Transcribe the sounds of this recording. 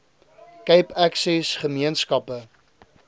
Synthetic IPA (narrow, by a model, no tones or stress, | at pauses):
kəjpæksɛsχəmiənskɐpə